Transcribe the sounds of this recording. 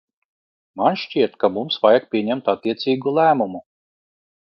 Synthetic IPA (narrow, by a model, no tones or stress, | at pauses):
manʃt͡ʃiɛt̪kamumsvajak̚pʲiɛɲɛmt̪at̪ːiɛt̪sʲiːɡulˠæːmumu